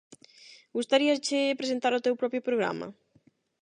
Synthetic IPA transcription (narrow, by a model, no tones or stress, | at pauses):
ɡust̪aɾiɐst͡ʃɪpɾesent̪aɾʊt̪ewpɾɔpjʊpɾoɣɾa̰mɐ̰